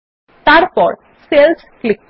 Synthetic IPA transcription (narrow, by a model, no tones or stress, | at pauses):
t̪aɾpɔɾ | sels | klik̚